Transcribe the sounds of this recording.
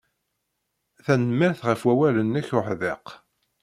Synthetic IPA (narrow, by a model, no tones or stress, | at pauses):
θænəmːɪɾθʁəfwæwælənːæçʊħðeq